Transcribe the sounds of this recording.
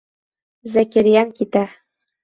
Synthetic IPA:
zækɘɾijæŋkit̪æ

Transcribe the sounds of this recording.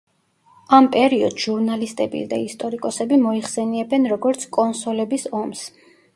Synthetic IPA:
ampʼɛɾiɔd̪ʒuɾnalist̪ʼɛbḭsd̪aist̪ʼɔɾikʼɔsɛbimɔiχsɛniɛbɛnɾɔɡɔɾt̪sʰkʼɔnsɔlɛbisɔms

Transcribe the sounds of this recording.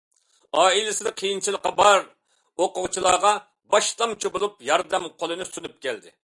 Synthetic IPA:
ɑːilɪsɪnɪqʰəjint͡ʃʰilˠəqːɑbɑɾ | oqʊʁt͡ʃʰilˠɑːʁɑ | bɑʃt̪ɑmt͡ʃʰibolˠup̚jɑɾd̪ɛmqʰolˠɨnɨsunyp̚kʲʰɛld̪ɪ̰

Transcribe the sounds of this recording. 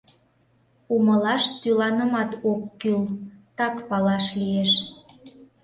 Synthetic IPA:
uməlɑʃt̪ylɑnəmɑt̪okːylt̪ɑkpɑlɑʃlijeʃ

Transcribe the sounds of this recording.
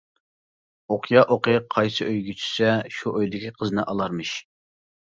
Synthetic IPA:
oqʰjɑʔoqeqʰɑjsɨʔøjɡʲyt͡ʃʰy̥sɛʃuʔøjd̪ɪkʲiqʰəznɨʔɑlˠɑɾmɨʃ

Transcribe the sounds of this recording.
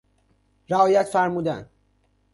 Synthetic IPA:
ɾæɒːjæt̪fæɾmuːd̪æn

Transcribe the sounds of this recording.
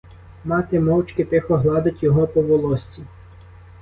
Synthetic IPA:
mɑt̪ɪmɔwt͡ʃkɪt̪ɪxɔɦlˠɑd̪ɐtʲjɔɦɔpɔʋɔlˠɔsʲt͡sʲi

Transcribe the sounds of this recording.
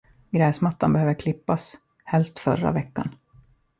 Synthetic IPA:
ɡɾɛːsmat̪ːanbɛhøːvəɾkʰlɪpːas | hɛlst̪fœɾa̰vɛkːa̰n

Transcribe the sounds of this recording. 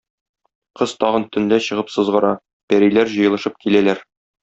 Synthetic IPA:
qɤzt̪ɒʁɤ̆nt̪ɵ̆nd̪æɕɤ̆ʁɤpsɤ̆zʁɤ̆ɾɑ | pæɾijlæɾʑɤ̆jɤlˠɤ̆ʃɤp̚kilælæɾ

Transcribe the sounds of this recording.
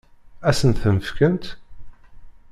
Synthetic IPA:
æsənt̪θəməfkənt̪

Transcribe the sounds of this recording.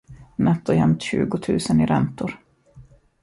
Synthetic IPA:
nɛt̪ːɔjɛmt̪ɕʉ̟̰ːɡʊt̪ʰʉ̟̰ːsənɪɾɛ̰nt̪ʊɾ

